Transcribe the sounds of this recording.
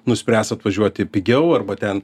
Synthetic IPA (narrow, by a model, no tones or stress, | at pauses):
nʊsʲpʲɾʲæːsɐt̪ʋɐʒʲuɔt̪ʲɪpʲɪɡʲɛʊɐrbɐt̪ʲɛn